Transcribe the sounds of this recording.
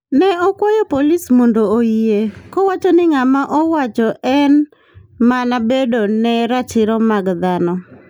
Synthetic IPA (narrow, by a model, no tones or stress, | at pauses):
nɛɔkwɔjɔpolismondooiekowat͡ʃɔnɪŋamaʔɔwat͡ʃɔʔɛn | manabedonɛɾat͡ʃɪɾɔmaɡd̪anɔ